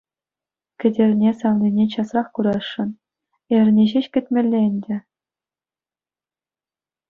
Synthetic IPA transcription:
kʲɘ̆dʲerʲnʲesɑʋnʲinʲet͡ɕɑsrɑχkuɾɑʂːɤ̆n | erʲnʲeʑeɕkʲɘ̆tʲmʲĕlʲːenʲdʲɘ̆

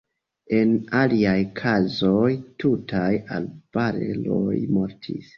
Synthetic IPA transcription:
e̞naliajkʰazojtutʰaja̰lb̥aɾḛlo̰jmo̞ɾtʰḭs

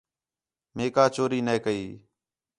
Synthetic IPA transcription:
meːkaːt͡ʃoːɾiːneːkəiː

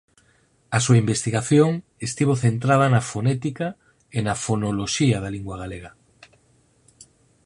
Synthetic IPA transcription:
asuaimbest̪iɣaθjoŋ | est̪iβoθent̪ɾað̞anafonɛt̪ika | enafonoloʃiaðaliŋɡwaɣaleɣ̞a

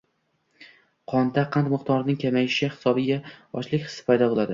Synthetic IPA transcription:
qʰɒnd̪aqʰant̪mɪqt̪ʰɒɾnɪŋkʲʰamajɪʃɪhɪ̥sɒbɪɡʲaɒ̰t͡ʃlˠɪkʲχɨ̥sɪ̥pʰajd̪ɒbolˠad̪ɪ

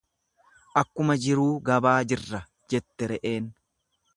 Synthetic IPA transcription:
ʔɐkːʊmɐd͡ʒɪɾuːɡɐbaːd͡ʒɪrːɐ | d͡ʒɛt̪ːɛɾɛʔeːn

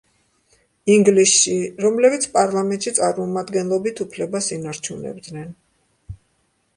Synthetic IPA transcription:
iŋɡlisʃiɾɔmlɛbit̪sʰpʼaɾlˠamɛnt̪ʼʃit̪sʼaɾmɔmad̪ɡɛnlˠɔbit̪ʰupʰlɛbasinaɾt͡ʃʰunɛ̰bd̪nɛn

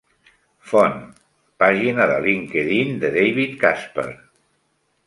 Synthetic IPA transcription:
fɔn | paʒinaðəliŋkeðind̪əðejβit̪kaspə̰ɾ

